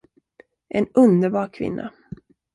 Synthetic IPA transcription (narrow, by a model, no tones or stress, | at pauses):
ʔɛnɵnd̪əɾbɑːɾkʰvɪ̰nːa̰